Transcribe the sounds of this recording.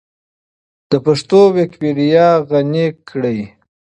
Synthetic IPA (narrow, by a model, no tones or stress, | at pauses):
d̪̥əpaʂt̪owekbiɾijɑɣanekɽəj